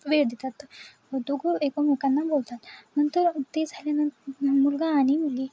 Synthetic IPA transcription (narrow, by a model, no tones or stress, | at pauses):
ʋeɭd̪et̪at̪ːə | d̪oɡʱuekamukanːabolt̪at̪nənt̪əɾt̪ed͡zʱaljanamulɡaːɽimulɡi